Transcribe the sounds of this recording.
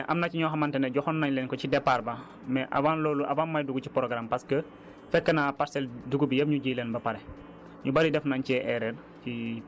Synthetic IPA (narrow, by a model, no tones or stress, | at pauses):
ʔɐmnɐciɲɔxɐmɐntɛnɛɟɔxɔnːɐɲlɛnkɔcidɛpːaɾbɐ | mɛʔɐ̰baːnlɔːluʔɐbanmɐjduɡucipɾɔɡɾampɐskə | fɛkːənapaɾsɛlduɡubijɐpɲuɟiːlɛnbɐpɐɾɛ | ɲubɐlidɛfnaɲcɛʔɛɾɛn | fi